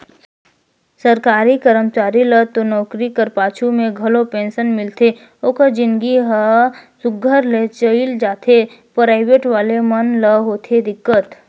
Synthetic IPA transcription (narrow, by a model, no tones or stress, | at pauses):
səɾkaːɾikəɾəmt͡ʃaːɾilət̪onɔːkɾikəɾpaːt͡ʃʰumẽɡʱɐlopẽːnsənmɪlt̪e | okəd͡ʒɪ̃nɡiɦəsʊɡʱːəɾlet͡ʃəild͡ʒaːt̪ʰe | pɾaːɪʋeːʈʋaːlemənləɦoːt̪ʰed̪ɪkːət̪